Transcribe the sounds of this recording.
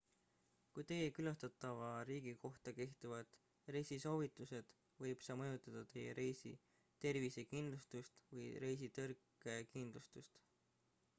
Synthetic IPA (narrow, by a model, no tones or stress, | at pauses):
kujt̪e̞je̞kylɑst̪ɑt̪ːˑɑvɑɾiːɡ̥iko̞ht̪ɑke̞ht̪uvɑd̪̥ | re̞jsiso̞ːvit̪ːˑuse̞d̪̥ | vɤjb̥sɑmɤjut̪ˑɑd̪̥ɑt̪e̞jḛɾe̞jsḭ | t̪e̞rvise̞kind̪̥lust̪ust̪vɤjɾe̞js̬it̪ɤrkːˑ | e̞kind̪̥lust̪ust̪